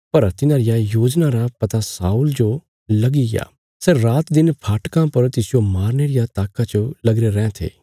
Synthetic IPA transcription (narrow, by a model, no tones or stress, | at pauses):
pɐɾt̪ɪnãːɾɪjajoːd͡ʒnaɾapɐt̪asaːʊld͡ʒo | lɐɡiɡja̰ː | seɾaːt̪d̪ɪnpʰaːʈkãpɐɾt̪ɪsɪjomaːɾneɾɪjat̪aːkːat͡ʃolɐɡɾeɾɛ̃ːɛ̃t̪ʰḛː